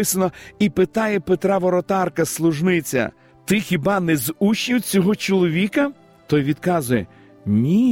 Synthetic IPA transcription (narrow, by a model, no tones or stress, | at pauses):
ɪsɐnɔipɪt̪ɑjɛpet̪ɾɑʋɔɾɔt̪ɑrkɐslˠʊʒnɪt͡sʲɐ̰ | t̪ɪxʲibɑnɛzuʃʲiwt͡sʲɔɦɔt͡ʃɔlˠɔʋʲikɐ | t̪ɔjʋʲid̪̥kɑzʊjɛ | nʲi